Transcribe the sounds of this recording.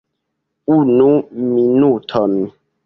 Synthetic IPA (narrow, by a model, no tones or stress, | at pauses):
unuminutʰɔmi